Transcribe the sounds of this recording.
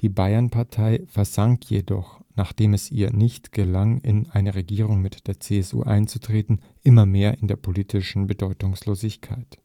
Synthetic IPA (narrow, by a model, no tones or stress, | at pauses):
d̥iːbaɪɐnpʰaɐtʰaɪfɛɐzaŋkʰjedɔ̰χnaːχd̥eːmɛsʔḭːɐnɪçtɡ̥əlaŋɪnaɪnəʁeɡiːʁ̞ʊŋmɪtd̥eːɐt͡seːɛsṵːʔa̰ɪnt͡su̥tʁ̥eːtn̩ | ʔɪmɐmeːɐʔɪndeːɐpʰoliːtʰɪʃn̩bədɔʏtʊŋsloːzɪçkʰa̰ɪt